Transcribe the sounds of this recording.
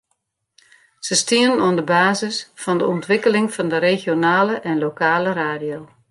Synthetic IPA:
səstiənənoəndəbaːzɪsfɔndəɔntʋɪkəlɪŋfɔndərexjonaːləʔɛnlokaːləraːdijo

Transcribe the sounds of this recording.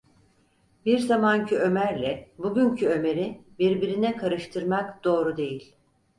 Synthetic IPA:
biɾzamancʰyø̞mæɾlʲɛbuɟyncʰyø̞me̞ɾibiɾbiɾinɛkʰaɾɯʃt̪ʰɯɾmakd̪̥o̞ːɾud̪e̞jilʲ

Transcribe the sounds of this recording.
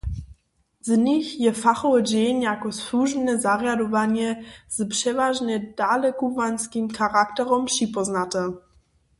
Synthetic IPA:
zɲixjɛfaxɔvɛd͡ʑɛjnjakɔsuʒbnɛzarjadɔvaɲɛz̥pʂɛvaʒnɛd̥alɛkuvanskimxaɾaktɛɾɔmpʂipɔznatɛ

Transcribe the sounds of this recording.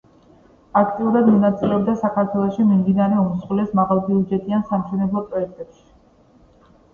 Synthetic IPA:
ak̚ʰt̪ʼiuɾad̪mɔnat̪sʼilɛɔbd̪asakʰaɾt̪ʰwɛlˠɔʃimimd̪inaɾɛɔmusχwlɛsmaʁalˠbiud͡ʒɛt̪ʼiansamʃɛnɛblˠɔpʼɾɔɛk̚ʰt̪ʼɛpʃi̥

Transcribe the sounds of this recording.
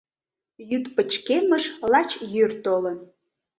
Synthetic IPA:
jyt̪pət͡ɕkeməʃlɑt͡ɕjyrt̪olən

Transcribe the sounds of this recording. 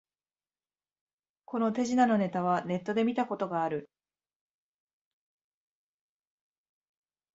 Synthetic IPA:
ko̞no̞t̪e̞ʑinano̞ne̞t̪aβ̞ane̞t̪ːo̞d̪e̞mʲit̪ako̞t̪o̞ɡaːɾɯ̟

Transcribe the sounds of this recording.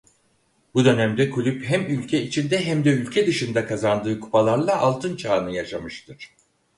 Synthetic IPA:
bud̪ø̞næmd̪ɛkʰulʲypɦæmylʲcʲʰɛit͡ʃʰind̪ɛɦæmd̪ɛylʲcʰɛd̪ɯʃɯnd̪akʰazand̪ɯːkʰu̥palˠaɾlˠaʔalˠt̪ʰɯnt͡ʃʰaːnɯjaʃamɯʃt̪ʰɯɾ̥

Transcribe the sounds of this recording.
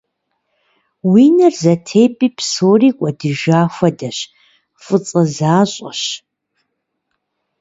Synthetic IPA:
wiːnɨrzɐtʰeːpʼiːpsoːriːkʷʼɐdɨʒaːxʷɐdɐɕ | fʼɨt͡sʼɐzaːɕʼɐ̰ɕ

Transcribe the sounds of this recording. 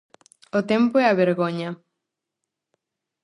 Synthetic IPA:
ot̪empoɛaβeɾɣoɲɐ

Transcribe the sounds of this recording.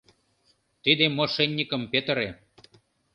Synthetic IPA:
t̪id̪emoʃenʲːikəmpet̪əɾe

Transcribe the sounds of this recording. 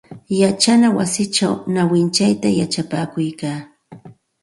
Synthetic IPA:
jat͡ʃanawa̰sɪt͡ʃawnawɪnt͡ʃajt̪ajat͡ʃapaːkʊjkaː

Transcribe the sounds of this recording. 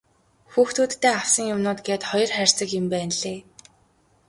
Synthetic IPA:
xuːxt̪ʰuːt̪ːeːawsə̆ŋjʊmnʊːt̪ɡeːt̪χɔjɞ̆rχær̥ʲsə̆kjɪ̆mpæːnɮeː

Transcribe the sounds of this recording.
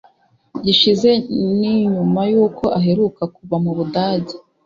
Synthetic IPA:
ɟiʃize̞niɲumajuːko̞ʔaɦe̞ɾukakuβamuβudaːɟi

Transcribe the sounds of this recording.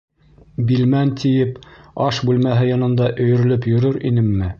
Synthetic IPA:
bilmænt̪ʰijɘpɑʃbʉlmæɦɘjɒnɤ̆nd̪ɑʔɵ̆jɵ̆ɾɵ̆lɘɵpjɵ̆ɾɵɾinɘmːɘ

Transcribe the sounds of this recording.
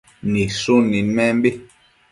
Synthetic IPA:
nisonimɛmbi

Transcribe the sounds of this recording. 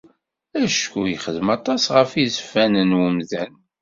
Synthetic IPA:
æʃkujəχəðəmɑt̪ˤɑsʁəfizəfːænənwəmðæn

